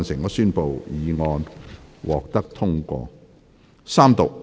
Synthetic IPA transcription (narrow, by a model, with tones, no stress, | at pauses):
nsɪ˨˩ŋɔː˨˧syː˥npo˨wjiː˨˧ŋɔː˧nwʔɔː˨k̚t̪ɐ˥k̚t̪ʰʊ˥ŋkʷɔ̰ː˧ | saː˥mt̪ʊ˨k̚